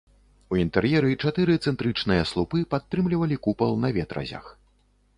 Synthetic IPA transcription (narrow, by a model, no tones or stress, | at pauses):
uint̪ɛrjɛɾɨt͡ʂat̪ɨɾɨt̪sɛnt̪ɾɨt͡ʂnɨjɐslˠupɨpat̪ːɾɨmlʲivɐlʲikupɐlˠnɐvʲɛt̪ɾɐ̰zʲɐ̰x